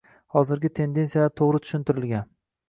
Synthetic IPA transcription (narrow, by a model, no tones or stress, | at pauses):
hɒzɪɾɡʲɪt̪ʰe̞nd̪e̞nsijat̪ʰoʁɾɪt̪ʰʊ̥ʃɪnt̪ʰɪɾɪlɡʲan